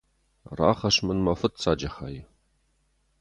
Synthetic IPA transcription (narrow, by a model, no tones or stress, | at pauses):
ra̰ːχɐɕmɨnmɐfɨt̚t͡sʰaːd͡ʒɐχaːjɪ